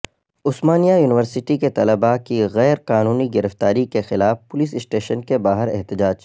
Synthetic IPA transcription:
ʊsmaːnijajuːnɪʋəɾsɪʈiket̪ɐləbakiɣɛːɾqaːnuːniɡɪɾəft̪aːɾikexɪlaːfpʊlɪs̬ɪsʈeːʃənkebaːɦəɾɛ̰ɦt̪ɪd͡ʒaːd͡ʒ

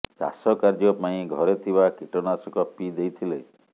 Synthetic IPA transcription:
ka̰sɔkaɾd͡ʒɔpãĩɡʱɔɾet̪ʰibakiʈɔnasɔkɔpid̪ejt̪ʰile

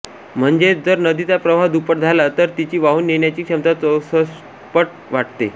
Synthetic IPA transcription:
m̤əɳd͡ʑed͡zəɾnəd̪it̪apɾəʋʱad̪upəʈ̚d͡zʱalat̪əɾt̪it͡ɕiːʋaɦuːnːeɳjat͡ɕiːkʂəmt̪aəsəs | pəʈ̚ | ʋaʈt̪ḛ

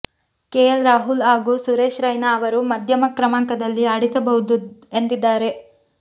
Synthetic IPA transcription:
keːjɐlɾaːɦulɦaːɡusuɾeːʃɾɐjnaːʋɐɾumɐd̪ʱjɐmɐkɾɐmaːŋkɐd̪ɐlːiaːɽit̪ɐbɐɦud̪uend̪id̪ːaːɾe̞

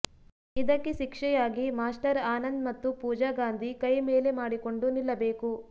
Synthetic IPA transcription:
id̪ɐkːeʃikʂɛjaːɡimaːsʈɐɾaːnɐnd̪mɐt̪ːupuːd͡ʒaːɡaːnd̪ʱikɐjmeːle̞maːɽiko̞ɳɖunilːɐbeːku

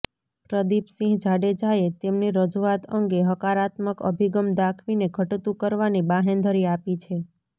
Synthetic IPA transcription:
pɾəd̪ipsĩɦd͡ʒʱaɽed͡ʒaet̪emniɾəd͡ʒuat̪ʰəŋɡeɦəkaɾat̪məkə̰bʱiɡəmd̪akʰʋineɡʱəʈt̪ũkəɾʋanibaɦend̪ʱəɾiapit͡ʃʰe

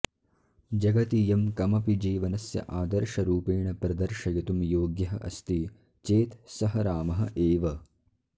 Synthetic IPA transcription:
d͡ʒɐɡɐt̪ijɐmkɐmɐpid͡ʒeːʋɐnɐsjɐ̰ʔaːd̪ɐɾʃɐɾuːpeːɳɐpɾɐd̪ɐɾʃɐjɐt̪umjoːɡjɐɦɐ̰ʔɐ̰st̪i | t͡ʃeːt̪sɐɦɐɾaːmɐɦɐ̆ʔeːʋɐ

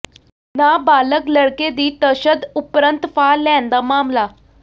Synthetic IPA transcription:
nabaləkləɽked̪iːt̪əɕəd̪upɾənt̪falɛ̃nd̪amamla

